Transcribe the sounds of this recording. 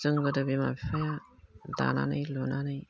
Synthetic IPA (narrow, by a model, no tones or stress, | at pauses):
zɯŋɡɯdabimabipʰajada̰na̰nɯjlonanɯj